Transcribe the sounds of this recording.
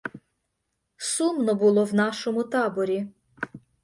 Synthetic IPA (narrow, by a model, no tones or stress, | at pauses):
sumnɔbʊlˠɔwnɑʃɔmʊt̪ɑbɔɾʲi